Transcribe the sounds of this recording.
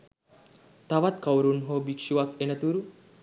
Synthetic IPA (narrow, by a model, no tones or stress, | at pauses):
t̪ɐʋat̪kɐwɾunɦobikʂuʋakenɐt̪uɾu